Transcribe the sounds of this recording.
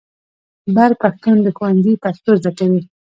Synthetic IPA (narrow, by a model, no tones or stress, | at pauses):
baɾpaxt̪und̪əxowanzipast̪ozakawi